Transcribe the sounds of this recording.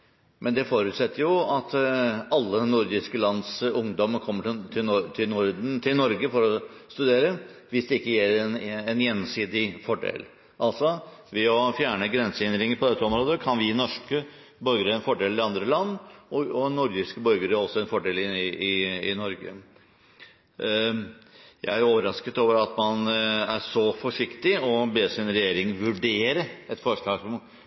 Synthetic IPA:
mʔɛnd̪ɛfoːɾʉːt̪sɛt̪ʰːəɾjʊɑt̪ɑlːənʊɾd̪ɪskəlɑnd̪sʊŋd̪ɔməkʰɔmːət̪ʰɪlt̪ʰɪnʊɾt̪ʰɪlnɔɾɡəfɔɾɔst̪ʉd̪eːɾəʋɪsd̪ɛɪkːəjæːɾɛnɛnjɛnːsiːd̪ɪfɔɖḛl | ʔɑlt̪sɔʋɛɔfjæːɳəɡɾɛnsəɪnd̪ɾɪŋəɾpʰɔd̪ɛt̪ːəɔmɾoːd̪əkʰɑnʋɪnɔʂkə | bœɾɡəɾəɛnfɔɖeːlɪɑnd̪ɾəlɑnːɔɔnɔɾɡɪskəbœɾɡəɾəɔsːɔɛnfɔɖeːlɪɪɪnɔɾɡə̰ | jæ̰ɪæɾoːʋəɾɑskət̪oːʋəɾɑt̪mɑnæʂɔfɔʂɪkt̪ɪɔbeːsɪnɾɛjeːɾɪŋʋʉɖeːɾəɛt̪fɔʂɭɑːɡsɔm

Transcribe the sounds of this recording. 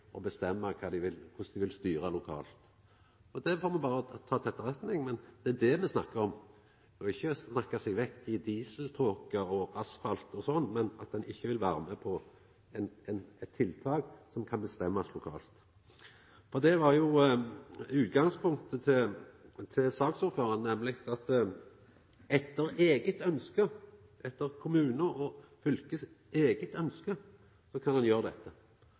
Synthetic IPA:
ʔɔbəst̪ɛmːəkʰɑːd̪ɪʋɪlkʰʊsd̪ɪʋɪlst̪yːɾəlʊkʰɑ̰ːlt̪ | ɔd̪ɛfoːmɛbɑːɾəɔt̪ʰɑːt̪ʰɛt̪ːəʁɛt̪nɪŋmɛnd̪̥ɛæd̪ɛmɛsnɑkːəɾɔm | d̪ɛɔɪçːəsnɑkːɑsɛɡʋɛkt̪ɪd̪iːsəlt̪ʰoːkəɔʔɑsfɑlt̪ɔsɔnːmɛnɑt̪̚d̪ɛnɪçːəʋɪlʋæːɾəmɛpʰɔ | ɛnɛnɛt̪ʰːɪlt̪ʰɑːɡsɔmkʰɑnbəst̪ɛmːɑslʊkʰɑ̰ːlt̪ | fɔʁd̪ɛʋɑʁjʊ | ʉːt̪ɡɑŋspʰʊŋkt̪ət̪ʰɪ | t̪ʰɪlsɑːksʊːɾføːɾɑnnɛmlɪɡɑt̪ | ɛt̪ːəɾeːɡət̪œnskə | ʔɛt̪ːəʁkʰʊmʉːnəɔfʏlkəs | eːɡət̪œnskə | sɔkʰɑndɑnjøːʁəd̪ɛt̪ʰːə

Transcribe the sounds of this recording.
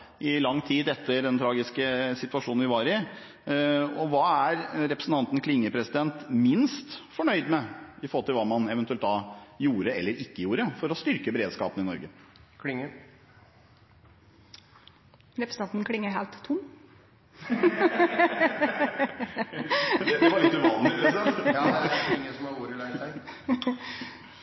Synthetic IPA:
ʔɪlɑŋːt̪ʰiːd̪ɛt̪ːəɾd̪ɛnt̪ʰɾɑːɡɪskəsɪt̪ʉɑʂuːnnʋɪʋɑːɾɪ | ɔʋɑːæɾɾɛpɾəsn̩t̪ɑnt̪nkʰlɪŋːəpʰɾɛsɪd̪ɛnt̪mɪnst̪fɔɳœʏd̪mɛɪfɔɾhɔlt̪ɪlʋɑːmɑnɛʋnt̪ʉɛlt̪d̪ɑjuːɾəɛlːəɾɪkːəjuːɾəfɔɾɔst̪ʏɾkəbɛɾeːd̪skɑ̰ːpənɪnɔ̰ɾɡəkʰlɪŋːə | ɾɛpɾəsn̩ɑnt̪n̩kʰlɪŋːəɦeːlt̪ʰːʊm | ɑɪt̪ʉʋɑːnɛ | ɪŋːəsɔmɑuːɾəlæɪæ

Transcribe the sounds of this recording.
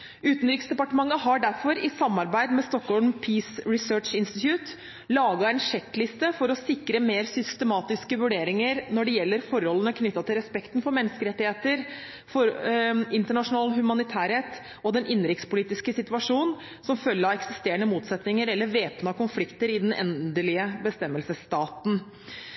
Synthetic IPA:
ʉːt̪nɾɪksd̪ɛpɑʈəmɑŋːəɦɑɖæɾfɔɾɪsɑmːɑɾbæɪd̪mɛst̪ɔkːhɔlmpʰiːsɾɪsøːʈʂɪnst̪ɪt̪jʉːt̪ | lɑːɡɑɛɪnʂɛk̪ːlɪst̪əfɔɾɔsɪkɾəmeːɾsʏst̪əmɑːt̪ɪskəʋʉɖeːɾɪŋəɾnɔɖɛjɛlːəɾfɔɾɔlːənəkʰnʏt̪ːɑt̪ʰɪlɾɛspɛkt̪nfɔɾmɛnːəskəɾɛt̪ːɪheːt̪əɾ | fɔɾɪnt̪əɳɑʂʊnɑːlɦʉmɑnɪt̪ʰæːɾheːt̪ | ɔd̪ɛnʔɪnːɾɪkt̪spʊliːt̪ɪskəsɪt̪ʉɑʂuːnn | sɔmfœlːəɾɑɛksɪst̪eːəɳəmuːt̪sɛt̪nɪŋəɾɛlːəɾʋeːpnɑkʊnflɪkt̪əɾɪd̪ɛnʔɛ̰nd̪əlɪəbəst̪ɛmːəlsəst̪ɑːt̪n̩

